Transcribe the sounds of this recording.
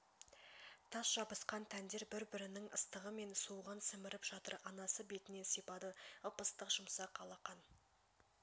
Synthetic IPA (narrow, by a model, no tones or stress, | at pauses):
t̪ʰɑsʒ̥ɑbəsqɑnt̪ʰænd̪e̞ɾbɪɾbɪɾɪnɪŋəst̪əʁəme̞nsuʁənsɪmɪɾɪpʒ̥ɑt̪ə̰ɾɑnɑsəbe̞t̪ɪne̞sipɑd̪əəpəst̪əqʒʊmsɑqʰɑlˠɑqɑn